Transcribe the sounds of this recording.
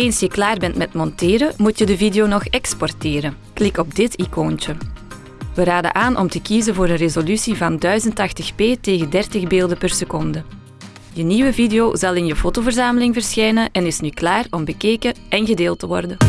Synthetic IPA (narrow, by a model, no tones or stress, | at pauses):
eːnsjəklaːrbɛntmɛtmɔntɪːɾəmutjədəvideonɔxɛkspɔrtɪːɾə | klɪkɔb̚dɪtikoːntə | ʋəɾaːdə̰ʔaːnʔɔ̰mtəkizənvoːɾənrezolysivɑndœɥzəntɑxtəxpeːteːɣəndɛrtəɣbeːlˠdəpərsəkɔndə | jəniʋəvideoːzɑlˠɪnjəfotovərzaːməlɪŋvərsxɛjnəʔɛnɪsnyklaːrɔmbəkeːkəʔɛnɣədeːlˠtəʋɔ̰rdən